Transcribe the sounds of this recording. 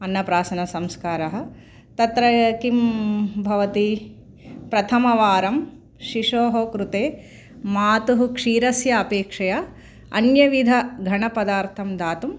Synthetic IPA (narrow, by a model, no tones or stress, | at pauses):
ɐnːɐpɾaːsɐnɐsɐmskaːɾɐɦɐ̆ | t̪ɐt̪ɾɐkimbʱɐʋɐt̪i | pɾɐt̪ʰɐmɐʋaːɾɐm | ʃiʂoːɦɐkɾut̪eː | maːt̪uɦukʂiːɾɐsjɐːpeːkʂɐja | ɐ̰njɐʋid̪ʱɐɡʱɐɳɐpɐd̪aːɾt̪ʰɐmd̪aːt̪um